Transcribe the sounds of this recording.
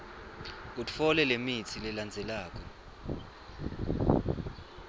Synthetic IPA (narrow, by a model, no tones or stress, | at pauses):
utʼfɔlɛlemit͡sʰilɛland͡zʱɛlaːk̬ʼɔ